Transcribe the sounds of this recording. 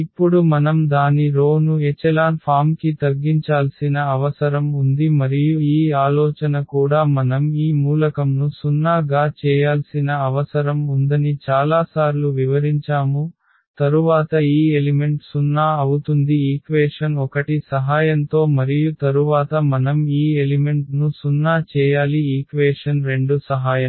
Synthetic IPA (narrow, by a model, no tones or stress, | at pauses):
ipːuɽumɐnɐmd̪aːniɾoːnuet͡ʃːɛlaːnpʰaːmkit̪ɐɡiɲt͡ʃaːlsinɐɐʋɐsɐɾɐmund̪imɐɾijuiːaːlɔːt͡ʃɐnɐkuːɽaːmɐnɐmiːmuːlɐkɐmnusunːaːɡaːt͡ʃɛːjaːlsinɐɐʋɐsɐɾɐmund̪ɐnit͡ʃaːlaːsaːɾluʋiʋɐɾiɲt͡ʃaːmu | t̪ɐɾuʋaːt̪ɐiːelime̞ɳʈsunːaːɐwut̪und̪iiːkʋeːʂɐnɔkɐʈisɐɦaːjɐnt̪o̞ːmɐɾijut̪ɐɾuʋaːt̪ɐmɐnɐmiːelime̞ɳʈnusunːaːt͡ʃɛːjaːliiːkʋɛːʂɐnɾe̞ɳɖusɐɦaːjɐm